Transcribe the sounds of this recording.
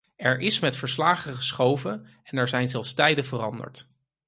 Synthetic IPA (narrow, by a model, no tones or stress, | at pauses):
ɛɹʔɪsmɛtfəɹslaːχəχəsχowvə | ɛnɛɹzɛjnzɛlˠfstɛjdəvərɑndə̰ɹt